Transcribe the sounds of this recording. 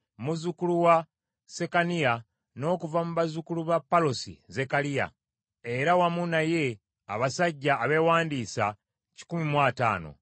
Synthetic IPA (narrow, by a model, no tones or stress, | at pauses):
muzukuluwa | se̞kanija | no̞ːkuvamuβazukuluβapːalosḭze̞kalija̰ | e̞ɾawamunaje̞ | a̰βasaɟːaːβe̞waːndiːsa | ci̥kumimwaːta̰ːno̞̰